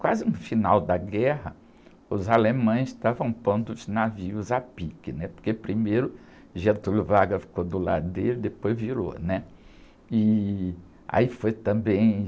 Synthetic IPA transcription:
kwazɪnʊ̃finawd̪ɐɡɛɦɐ | ʊzalemɐ̃j̃sst̪avɐ̃w̃pɐ̃nd̪ʊʊznaviʊzapikɪnɛpo̥ɾkepɾimejɾʊ | ʒẽt̪ulʊvaɡɐfi̥kod̪ʊla̰d̪ʊd̪eɾɪd̪epojzviɾo̰nɛ | ɪ | a̰ifojt̪ɐ̃mbẽj̃

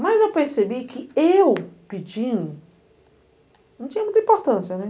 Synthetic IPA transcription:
mɐzewpeɾsebikɪewpid͡ʒĩɲ | nnɐ̃w̃t͡ʃĩɲɐmũjt̪ɐĩpoɾt̪ɐ̃siɐnɛ

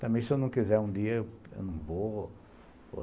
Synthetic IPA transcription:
t̪ɐ̃mẽj̃sewnɐ̃w̃kizɛɾũd̪iɐewḛwnɐ̃w̃vo

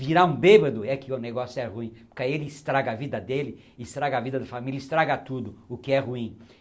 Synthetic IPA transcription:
viɾaɾũbebɐd̪ʊɛkɪʊneɡɔsjʊɛʁuĩpʊkajelɪst̪ɾaɡɐavid̪ɐd̪elɪ | ɪst̪ɾaɡɐavid̪ɐd̪ɐfamiljɐist̪ɾaɡɐt̪ud̪ʊʊkɪɛhuĩ

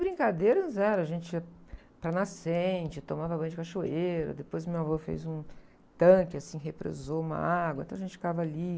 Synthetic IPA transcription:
bɾĩkad̪eɾɐzɛɾɐ̃ʒẽnt͡ʃɪiɐ | pɾɐnasẽt͡ʃɪt̪omavɐbɐ̃j̃d͡ʒɪkaʃoeɾʊ̰d̪epojzmewavofḛjzũ | t̪ɐ̃kɪasĩɦepɾḛzoũmɐ̰aɡwɐ̰̃ẽt̪ɐ̃aʒẽnt͡ʃɪfɪkavɐali

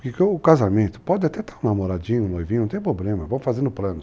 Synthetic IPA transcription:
ʊkekoʊkazamẽt̪ʊ̥pɔd͡ʒ̪ɪat̪ɛt̪aũnamoɾad͡ʒĩɲʊ̃nojvĩɲ̃ʊñt̪ẽj̃p̬ɾoblẽmɐvõw̃fazẽnd̪ʊplɐ̃nʊ

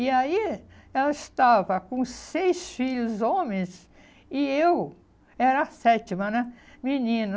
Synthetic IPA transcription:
iaiɛlɐɪst̪avɐkõsejsfiʎʊzõmẽs | ɪew | ɛɾɐasɛt͡ʃimɐnɛ | minĩnɐ

